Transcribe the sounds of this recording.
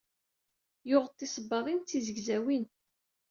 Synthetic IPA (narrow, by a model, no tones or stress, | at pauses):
jʊʁət̪ːisəbːɑɾˤint͡s̪ːizəɡzæwin